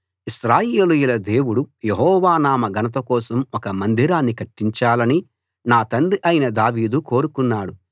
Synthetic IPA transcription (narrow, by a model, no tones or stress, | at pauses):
iʃɾaːjeːlujulɐd̪e̞ːwuɽujeɦɔːʋaːnaːmɐɡɐnɐt̪̬ɐkɔːsɐmɔkɐmɐnd̪ʱiɾaːnːikɐʈːiɲt͡ʃaːlɐni | naːt̪ɐɳɖiʔɐjinɐd̪aːʋiːd̪uko̞ːɾukunːaːɽu